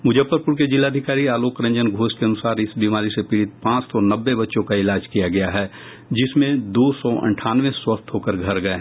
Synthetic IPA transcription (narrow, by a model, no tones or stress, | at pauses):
mʊd͡ʒəpːəɾpʊɾk̬ed͡ʒɪlːaːd̪ʱɪkaːɾiaːloːkɾɐ̃ɲd͡ʒənɡʱoːskeɐnʊsaːɾɪsbiːmaːɾisepiːɽɪt̪̚pãːt͡ʃt̪ɔnɐbːebɐtːʃõkaɪlaːd͡ʒkijaɡɐjaɦɛː | d͡ʒɪsmẽd̪oːsɔːʔə̰̃ɳʈʰaːnʋẽswɐst̪ʰɦoːkəɾɡʱɐɾɡɐe